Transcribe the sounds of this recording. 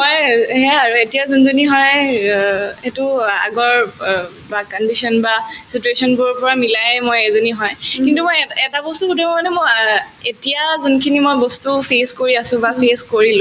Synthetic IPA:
mojɦɛaaɹuetijazɔnzoniɦɔj | etʊa̰ɡɔɹ | bakɔndisɔnbasituesɔnbʊɹpɔɹamilajmojezoniɦɔjkintumojɛtabɔstukutʰɔmmɔnɛmo | etijazɔnkʰinimojbɔstupʰeskoɹiasʊ̃bapʰeskoɹilʊ̃

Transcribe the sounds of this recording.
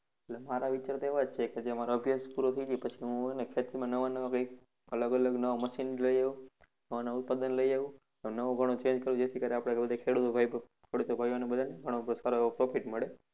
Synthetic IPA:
eʈlemaɾaʋit͡ʃaɾt̪oeʋad͡ʒt͡ʃʰeked͡ʒeəmaɾoəbʱjəspuɾot̪ʰəid͡ʒepət͡ʃʰiɦũnekʰet̪iɾmãnəʋanəʋakəjk | ələɡələɡnəʋoməʃinləiaʋũ | nəʋanəʋaut̪̚pad̪ənləjaʋũ | ẽnəʋõɡʱəɽ̃ot͡ʃẽɲd͡ʒkəɾũd͡ʒet̪ʰikəɾeapɽ̃ebəd̪ʱakʰeɽut̪obʱai | kʰeɽut̪obʱajonebəd̪ʱaneɡʱəɽ̃opsaɾoeʋopɾofiʈməɭe

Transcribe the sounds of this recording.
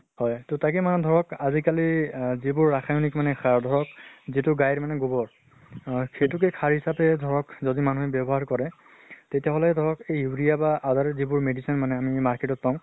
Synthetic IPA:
hɔjtotakɛmanɛdʱɔɹɔkazikalizibʊɹːaxʰajunikmanɛkʰaɹdʱɔɹɔkzitʊɡajɹmanɛɡubɔɹ | xejtʊkɛkʰaɹɦisapɛdʱɔɹɔkzodimanuɦɛbɛbɔɦaɹkɔɹɛ | tetijaɦɔlɛdʱɔɹɔkejuɹijabaʔadaɹɛzibʊɹmedisinmanɛamimaɹketɔt̚paʊ̃

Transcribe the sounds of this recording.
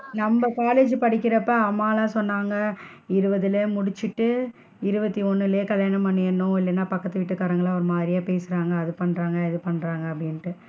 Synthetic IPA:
nɐmbɐkaːleːd͡ʒɯpɐɽɪkːɪɾɐpːɐɐmːaːlãːsɔnːaːŋɡɐ | ɪɾɯbɐðɪleːmʊɽɪt͡ʃːɪʈːɯ | ɪɾɯbɐt̪ːiɔnːɪleːkɐljaːnɐmɐɳːɪnːʊ̃ɪlːɐnːaːpɐkːɐt̪ːɯʋɪʈːɯkːaːɾɐŋɡɐɭɐʋɐɾmaːd̪ɪɾɪjaːpeːsɯɾaːŋɡɐːðɯpɐɳːɾaːŋɡɐɪðɯpɐɳːɾaːŋɡɐːpːɐɽɪnʈːɯ

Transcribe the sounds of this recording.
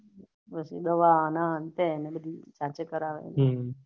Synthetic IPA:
pəsḭd̪əʋanaənt̪enebəd̪ʱit͡ʃat͡ʃekəɾaʋḛnɦe

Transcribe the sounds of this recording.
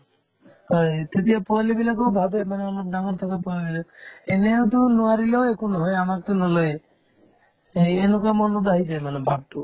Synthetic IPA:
ɦɔjt̪et̪iapɔalebilakɔbʱabemaneɔlɔb̚ɖaŋɔɾt̪ʰɔkapɔabileeneot̪ɔnuaɾileoekunɔɦɔjamakt̪ɔnɔlɔe | enukamɔnɔd̪aɦid͡ʒajmanebʱab̚ʈu

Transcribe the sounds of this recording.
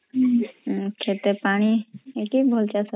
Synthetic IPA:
kʰet̪epaɽ̃iekibʱɔlt͡ʃasə

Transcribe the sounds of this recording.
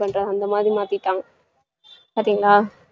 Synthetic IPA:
pɐɳɾɐðɐnd̪ɐmaːd̪ɾimaːt̪ɪʈːaːŋɡɐ | paːɾt̪iŋɡɐɭaː

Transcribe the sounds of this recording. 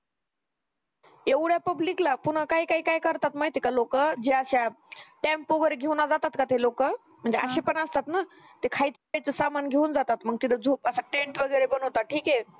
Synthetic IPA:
eʋɽjapəbliklapunɳ̤əkaikaikajkəɾt̪at̪majt̪ekalokəd͡ʑeəɕaʈempoʋəɾɡʱewnad͡zat̪at̪kat̪elokə | m̤əɳd͡zeaɕepəɳəst̪at̪na | t̪ekʰajt͡s̪əkajt͡səsamanɡʱewnd͡zat̪at̪məɡ̚t̪id̪əd͡zʱuːpəsaʈeɳʈʋəɡəjɾebəɳwt̪aʈʰiːke

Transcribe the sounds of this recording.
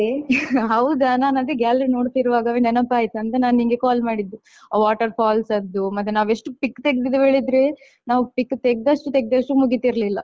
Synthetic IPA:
eɦɐwd̪ɐnaːnɐd̪eɡaːlɾino̞ːɖt̪iɾuʋaːɡɐʋeɳenɐpːaːjit̪uɐnt̪enaːniŋɡekaːlmaːɽid̪ːu | ʋaːʈɐɾpʰaːlsɐd̪ːumɐt̪ːenaːʋe̞ʂʈupikːt̪eɡ̚d̪id̪uɦeːɭid̪ɾe | naːʋupikːt̪eɡ̚d̪ɐʂʈut̪eɡ̚d̪ɐʂʈumuɡit̪iɾlilːɐ

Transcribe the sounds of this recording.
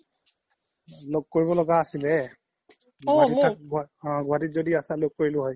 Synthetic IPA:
loɡ̚koɹibɔlɔɡaːsilɛ | ɡɡaditak̚ɡɦɔ̃ɡuaditzodiasɛloɡ̚kːoɹilʊɦɔj

